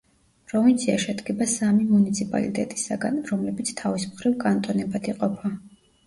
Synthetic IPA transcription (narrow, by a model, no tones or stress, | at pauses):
pʰʼɾɔvint̪sʰiaʃɛd̪ɡɛbasamimunit̪sʰipʼa̰lḭt̪ʼɛ̰t̪ʼi̥saɡanɾɔmlɛbit̪sʰt̪ʰavismχɾivkʼant̪ʼɔnɛbad̪iqʼɔpʰa